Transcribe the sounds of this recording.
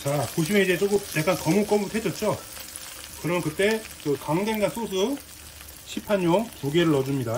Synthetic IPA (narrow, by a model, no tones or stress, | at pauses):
t͡ɕakoɕ̬ʰimeid͡ʑe̞t͡ɕ͈okup̚nek͈akʌmuk͈ʌmutʰed͡ʑʌt̚t͡ɕ͈o | kɯɾʌmnkɯt͈e̞kɯkaŋde̞ŋɡasʰos̬ʰu | ɕʰipʰaɲoŋpuɡeɾɯɭʌd͡ʑumɲida